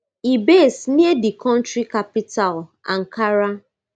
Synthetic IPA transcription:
ibesniedikɔ̃n̩tɾikapital | aŋ̩kaɾa

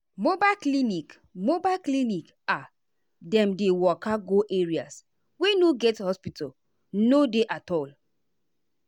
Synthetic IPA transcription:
mobaklinik | mobaɪklinik | a | dɛ̃mdewɔkaɡoʔeɹias | wenoɡɛthɔspitɔ | nodeʔatɔl

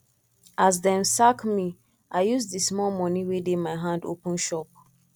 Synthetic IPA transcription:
ʔazdɛ̃nsakmi | ʔaɪjusdismɔlmɔniwedemaɪɦãndo̰pə̃nʃɔp̚

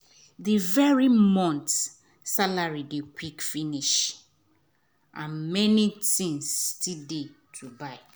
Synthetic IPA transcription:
ðivɛɹimɔ̃nt | salaɹidekwikfiniʃ | ãnmɛnitĩŋstide | tʰubaɪ

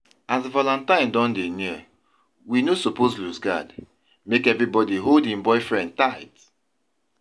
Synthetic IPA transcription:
asvɔlãntãɪ̃ndɔ̃ndeniə | winosopozlusɡa̰d | mekɛvɹibɔdiɦoldĩmbɔɪfɹɛ̃nd̚taɪt

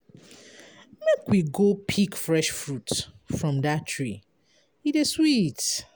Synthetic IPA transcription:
mekwiɡopʰikfɹɛʃfɹut | fɹɔ̃mdatʰːɹi | iteswit

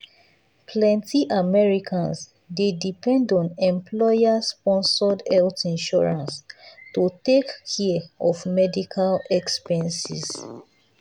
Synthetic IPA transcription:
pʰlɛ̃ntiʔamɛɹikʰãns | dedipɛ̃ndɔ̃nɛ̃mplɔjaspɔ̃nsɔdɛltĩnʃɔɹãnstutekʰɛɔfmɛdikʰalɛkspɛ̃nsḭs

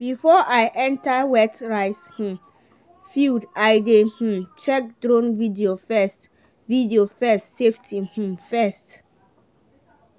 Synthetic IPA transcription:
bifɔʔajʔɛ̃ntawɛtɹaɪshũm | fildajdeh̩mt͡ʃɛk̚dɹõnvidiofɛst | vidiofɛstseftʰĩhũmfɛst

